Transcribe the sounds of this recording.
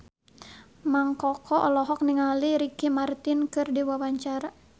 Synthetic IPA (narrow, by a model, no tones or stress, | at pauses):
maŋkɔkʰɔʔɔlɔɦɔk̚niŋaliɾikimart̪inkɨrdiwawaɲt͡ʃaɾa